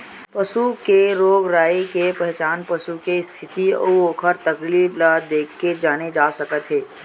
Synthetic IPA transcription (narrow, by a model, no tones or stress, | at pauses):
pəsukeɾoːɡɾaːekepɛɦt͡ʃaːnpɐsukest̪ʰɪt̪iooːkʰəɾt̪ɐkliːblad̪eːkʰːed͡ʒaːned͡ʒaːsɐkət̪ɦeː